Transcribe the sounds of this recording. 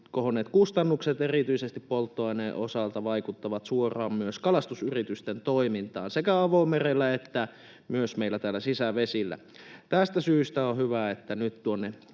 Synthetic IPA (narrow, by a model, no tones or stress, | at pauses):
kohonet̪kust̪ɑnːukset̪erit̪yisest̪ippolt̪ːoɑneʔo̰sɑlt̪ɑʋɑikut̪ːɑʋɑt̪suorɑːmmyøskɑlɑst̪usyrit̪yst̪ent̪oimint̪ɑ̰ːnsekæɑʋoimerelːæet̪ːæ | myøsmeilːæt̪æːlːæsisæʋesilːæ̰ | t̪æst̪æsyːst̪æohyʋæet̪ːænyt̪t̪uonːe